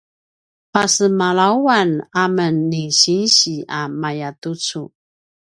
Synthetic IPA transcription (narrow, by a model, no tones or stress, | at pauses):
pasəmalawanamənːeɕinɕiamajatut͡su